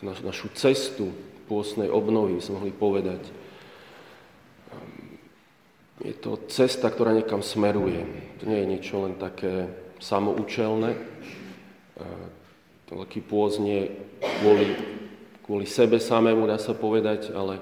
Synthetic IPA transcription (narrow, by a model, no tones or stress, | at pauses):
nanaʃut͡sɛst̪upʊɔst̪nɛjʔɔbnɔʋibisɛmɔɦlipɔʋɛd̪ac | jɛ̰t̪ɔ̰t͡sɛst̪ak̚t̪ɔɾaːɲɛkamsmɛɾujɛt̪ɔɲɛjɛɲɪɛt͡ʃɔlɛnt̪akɛːsamɔʔuːt͡ʃɛlnɛː | ʋɛ̰lkiːpʊɔzɲɛɛkʋʊɔli | kʊɔlisɛbɛsamɛːmud̪aːsapɔʋɛd̪aɟalɛ